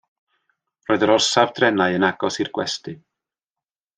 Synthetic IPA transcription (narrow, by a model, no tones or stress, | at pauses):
roːɨðəɾɔrsavd̥rɛnaɨənaɡ̥ɔsirɡ̥wɛ̰stɨ